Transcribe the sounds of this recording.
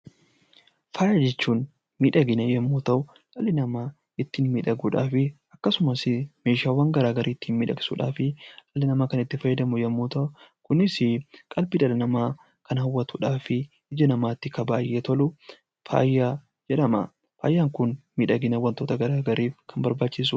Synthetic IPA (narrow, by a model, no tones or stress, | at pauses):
faːjaːd͡ʒɛt͡ʃːuːn | miːᶑɐɡɪnɐjɛmːoːt̪ɐʔʊ | ᶑʼɐlːɪnɐmaː | ɪt̪ːiːnmiːᶑɐɡuːᶑaːfɪ | ɐkːɐsʊmɐsɪme̞ːʃaːwaːŋɡɐɾaːɡɐɾʔiːt̪ːiːnmiːᶑɐɡɪ̥sṵːᶑa̰ːfɪᶑɐlːɪnɐmaːkɐnɪt̪ːɪfɐjːɐd̪ɐmʊjɛmːoːt̪ɐʔʊkʊnɪsɪkʼɐlbiːᶑɐlɪnɐmaː | kʰɐnhɐwːɐt̪uːᶑaːfɪ | ɪd͡ʒɐnɐmaːt̪ːɪkɐbaːjʔːɛt̪ɔlʊ | fa̰ːjːaː | d͡ʒɛᶑɐmɐ̰ | fa̰ːjːaːŋkʊnmiːᶑɐɡɪnɐwɐnt̪o̞ːt̪ɐɡɐɾaːɡɐɾiːfkʰɐmbɐɾbaːt͡ʃːɪs̬u